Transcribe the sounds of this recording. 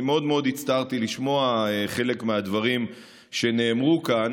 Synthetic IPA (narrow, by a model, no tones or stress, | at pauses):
imeo̞d̪meo̞d̪it͡st̪aʁt̪iliʃmo̞aeχe̞le̞kmead̪vaʁim | ʃe̞ne̞ːmʁukan